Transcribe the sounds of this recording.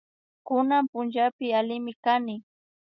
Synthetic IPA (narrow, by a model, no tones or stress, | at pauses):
kʊnampʊnt͡ʃapɪalɪmɪkanɪ